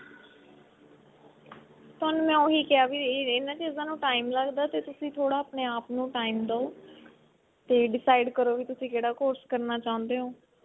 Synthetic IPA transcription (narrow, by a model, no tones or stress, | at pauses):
t̪onmɛ̃ːoːɦiːkɪjaːʋiːɪnãːt͡ʃiːzãːnũːʈaːimləɡd̪aːt̪eːt̪ʊsĩːt̪ʰoːɽaːəpɳeːaːpnũːʈaːimd̪aoː | t̪eːɖɪsaːɪɖkəɾoːʋiːt̪ʊsĩːkeːɽaːkoːɾskəɾnaːt͡ʃãːʊ̃nd̪eːɦoː